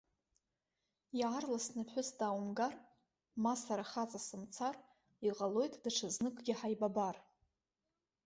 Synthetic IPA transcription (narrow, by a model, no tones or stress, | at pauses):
jarlasnɨħʷʊsdaːwumɡar | masaɾaχat͡sʼasɨmt͡sʰar | iqʼalo̞jtʼd̥aʈ͡ʂʰɨznɨkʷʼɡʲɪħajbabar